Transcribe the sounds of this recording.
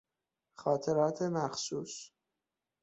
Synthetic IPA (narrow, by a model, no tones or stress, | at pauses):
xɒːt̪ʰe̞ɾɒːt̪ʰemæxsuːs